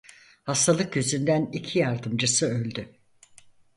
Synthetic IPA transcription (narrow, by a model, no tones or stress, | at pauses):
hast̪ʰalˠɯk̚ɟøzynd̪ænicʰijaɾd̪ɯmd͡ʒɯsɯølʲd̪y